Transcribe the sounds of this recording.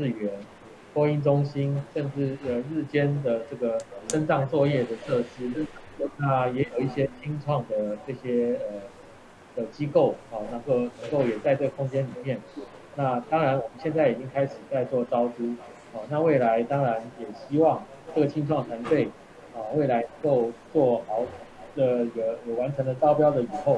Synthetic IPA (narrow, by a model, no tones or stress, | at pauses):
ɻ̩ɥɛn | koinʈ͡ʂʊŋɕinʂənʈ͡ʂɻ̩əɻɻ̩t͡ɕjɛnd̪əʈ͡ʂɤɡəənʈ͡ʂɑŋt͡swɔjɛd̪ətʰɤʂɻ̩ | onajɛjoʊiɕjɛt͡ɕʰiŋʈ͡ʂʰwɑŋd̪əʈ͡ʂɤɕjɛə | d̪̥ət͡ɕikoʊɔnaŋkoʊnəŋkoʊjɛt͡saɪʈ͡ʂɤɡəkʰʊŋt͡ɕjɛnlimjɛn | nat̪ɑŋɻanwɔmənɕjɛnt͡saɪit͡ɕiŋkʰaɪʂɻ̩t͡saɪt͡swɔt͡sɑʊʈ͡ʂu | ɑnaweɪlaɪt̪ɑŋɻanjɛɕiwɑŋ | ʈ͡ʂɤɡət͡ɕʰiŋʈ͡ʂʰwɑŋt̪ʰant̪eɪ | ɐweɪlaɪnəŋkoʊt͡swɔxɑʊ | d̪əɡəjowanʈ͡ʂʰɤŋd̪ət͡sɑʊpjɑʊd̪əixoʊ